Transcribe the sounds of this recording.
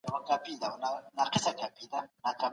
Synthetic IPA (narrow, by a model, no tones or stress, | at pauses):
wakapid̪awnanaqɪ̥sakapid̪anaka